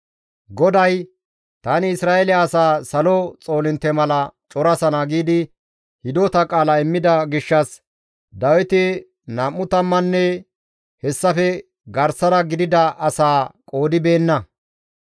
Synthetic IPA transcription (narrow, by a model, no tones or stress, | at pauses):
ɡɔd̪ɐj | t̪aːnɪɪsɾaːɛlɛɐsaːsɐlot͡sʼo̞ːlɪnt̪ːɛmɐlɐt͡ʃʼɔɾɐsɐnaɡiːd̪ɪ | hɪd̪oːt̪ɐkʼaːlɐɪmːɪd̪ɐɡɪʃːɐs | d̪ɐwɪt̪ɪ | naːmːʊt̪ɐmːɐnːɛ | hɛsːɐfɛ | ɡɐɾsɐɾɐɡɪd̪ɪd̪ɐʔɐsaːkʼo̞ːd̪ɪbe̞ːnːɐ